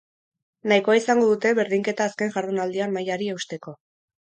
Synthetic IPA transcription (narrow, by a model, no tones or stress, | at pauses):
najko̞aisaŋɡo̞ðut̪e̞βe̞ɾðiŋke̞t̪aːske̞ŋʝaɾðunald̪iamajaɾie̞wst̪e̞ko̞